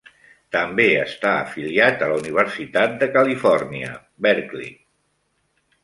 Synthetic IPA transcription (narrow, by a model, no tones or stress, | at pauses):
t̪əmbeəst̪aə̰filiat̪ələuniβ̞əɾsit̪at̪̚d̪əkəlifɔrniə̰ | bɛɾklḭ